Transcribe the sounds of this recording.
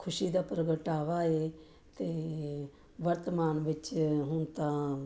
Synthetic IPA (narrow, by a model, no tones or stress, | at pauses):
kʰʊʃiːd̪aːpɾəɡəʈaːʋaːeː | t̪eː | ʋəɾt̪əmaːnʋɪt͡ʃɦʊnt̪ãː